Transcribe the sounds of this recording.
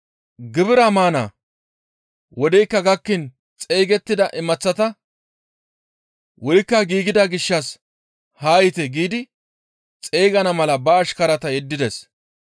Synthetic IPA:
ɡɪbɪɾɐmaːna̰ː | wɔd̪ɛjkːɐɡɐkːɪn | t͡sʼejɡɛt̪ːɪd̪ɐʔɪmɐt͡sːɐt̪ɐ | wʔɔjɪkːɐɡiːɡɪd̪ɐɡɪʃːɐs | haːjɪt̪ɛɡiːd̪ɪ | t͡sʼeːɡɐnɐmɐlɐbɐːʃkɐɾɐt̪ɐjɛd̪ːɪd̪ɛs

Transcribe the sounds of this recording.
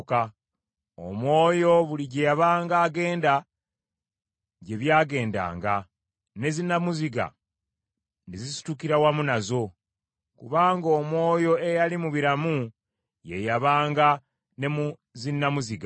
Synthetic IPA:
ka | o̰mwo̞ːjo̞βuliɟe̞jaβaːŋɡaːɡe̞ːnda | ɟe̞βjaːɡe̞ːnda̰ːŋɡa | ne̞zinːamuziɡa̰ | nezisi̥tukiɾawamunazo̞ | kuβaːŋɡo̞ːmwo̞ːjo̞e̞jalimuβiɾamu | je̞jaβaːŋɡa | ne̞mu | zinːamuziɡa

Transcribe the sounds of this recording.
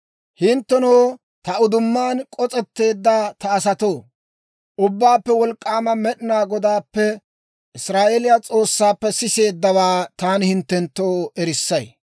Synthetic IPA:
hɪnt̪ːɛnoː | t̪ɐʊd̪ʊmːaːnkʼɔt͡sʼɛt̪ːe̞ːd̪ːɐt̪ɐːsɐt̪o̞ː | ʔʊbːaːpːɛwɔlkʼːaːmɐmɛɗɪnaːɡɔd̪aːpːɛ | ɪsɾaːʔelɪjat͡sʼo̞ːsːaːpːɛsɪse̞ːd̪ːɐwaːt̪aːnɪhɪnt̪ːɛnt̪ːoːɛɾɪsːɐj

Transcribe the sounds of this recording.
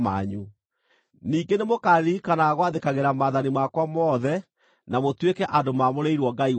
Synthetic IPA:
ma̰ɲu | niːɡenemokaɾikanaɣwaðekaɣeɾamaːðanimakwamɔðɛ | namotwekɛʔadomamoɾeiɾwɔɡai

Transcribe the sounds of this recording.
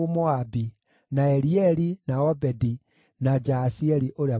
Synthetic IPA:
omoabi | naɛɾiɛɾinaɔbɛdi | nad͡ʒasiɛɾiʔoɾea

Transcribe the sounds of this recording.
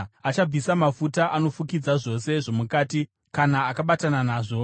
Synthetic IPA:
at͡ʃab͡visamafutaʔano̞fukid͡zaʐo̞se̞ʐo̞mukaːti | kanaːkaɓatananaːʐo̞

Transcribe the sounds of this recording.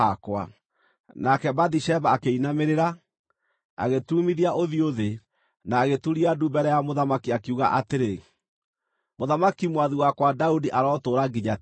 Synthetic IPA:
akwa̰ | nakɛbadiʃɛbaːkeinameɾeɾa | a̰ɣetumiðiaʔoðioðe | naːɣetuɾiadubɛɾɛjamoðamakiakeuɣa̰ʔateɾe | moðamakimwaðiwakwadaudiʔaɾɔːtoːɾaɡiɲa

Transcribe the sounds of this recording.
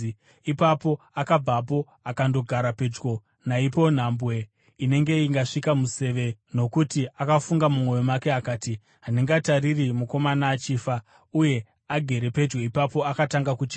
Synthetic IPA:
ipapo̞ | akab͡vapo̞ | akando̞ɡʱaɾape̞d͡ʒɡo̞ | naipo̞n̤ambwe̞ | ine̞ŋɡe̞iŋɡaʂikamuse̞ʋe̞no̞kutiakafuŋɡamumwo̞jomake̞akaːti | ɦaniŋɡataririmuko̞manaːt͡ʃiːfa | uje̞ | aɡʱe̞ɾe̞pe̞d͡ʒɡe̞ipapo̞akataŋɡakut͡ʃi̥

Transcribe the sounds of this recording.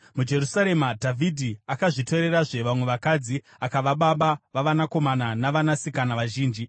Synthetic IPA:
mud͡ʒe̞rusaɾe̞madʱavʱidʱiakaʐito̞ɾe̞ɾaʐe̞ʋamwe̞ʋakad͡zi | akaʋaɓaɓaʋaʋanako̞mananaʋanasikanaʋaʒiːnd͡ʒi

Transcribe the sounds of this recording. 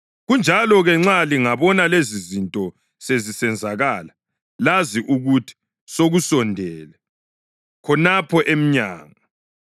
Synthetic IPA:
ɣund͡ʒʱalɔɣɛŋ͡ǁaliŋaβɔnalezizintʼɔ | sezisɛnd͡zʱaɣaːla | laziʔuɣutʰi̥ | soɣusɔndʱɛːlɛ | kʰɔnapʰɔʔem̩ɲa̰ːŋa

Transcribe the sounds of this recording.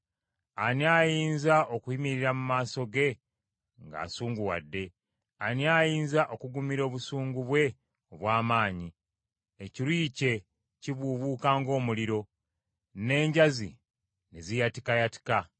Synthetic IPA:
aniaːjiːnzaʔo̞kuhimiɾiɾamumaːso̞ɡe̞ | ŋɡa̰ːsuːŋɡuwa̰dːe̞ | aniaːjiːnzaʔo̞kuɡumiɾo̞ːβusuːŋɡuβwe̞ | oβwaːmaːɲi | eciɾwiːce̞ | ciβuβuːkaːŋɡo̞ːmuliɾo̞ | ne̞ːɲɟazḭ | nezijatikajati̥ka

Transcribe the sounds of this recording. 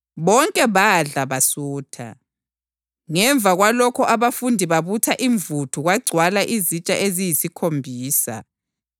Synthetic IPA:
βɔŋkʼɛβaɮaβasuːtʰa̰ | ŋɛɱbvʱaɣwalɔkʰɔʔaβafundʱiβaβutʰaʔiɱvutʰuɣaɡ͡ǀʱwalaʔizit͡ʃʼaʔezijisikʰombʱiːsa̰

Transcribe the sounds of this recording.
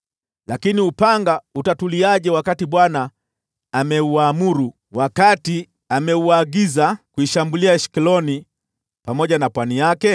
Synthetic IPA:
lakiniupaŋɡautatuliaʄɛwakatiɓwanaː | mɛuamuɾu | wakati | amɛuaɡizakuiʃambuliaʃi̥kilɔni | pamɔʄanapwanijakɛ

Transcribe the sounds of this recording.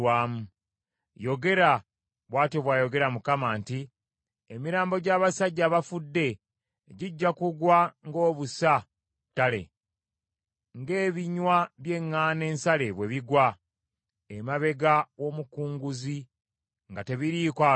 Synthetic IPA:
waːmu | jo̞ɡe̞ɾa | βwaːtoβwaːjo̞ɡe̞ɾamukamaːnti | emiɾaːmbo̞ɟaːβasaɟːaːβafudːe̞ | ɟiɟːakuɡwaŋɡo̞ːβusa | tːale̞̰ | ŋɡe̞ːβiɲwaβje̞ŋːaːne̞ːnsale̞βwe̞βiɡwa | emaβe̞ɡawo̞ːmukuːŋɡuzi | ŋɡate̞βiɾiːkwa

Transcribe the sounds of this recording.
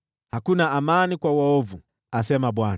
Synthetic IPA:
hakunaːmanikwawaɔvu | asɛmaɓwan

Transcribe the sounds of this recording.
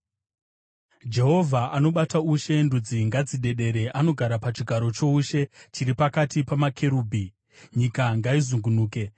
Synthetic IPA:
d͡ʒe̞ɦo̞vʱaʔano̞ɓatauʃe̞ndud͡ziŋɡad͡ziɗe̞ɗe̞ɾe̞ʔano̞ɡʱaɾapat͡ʃiɡʱaɾo̞t͡ʃo̞uʃe̞t͡ʃiɾipakatipamakʰe̞ɾuːbʱi | ɲikaŋɡaizuŋɡunuːke̞

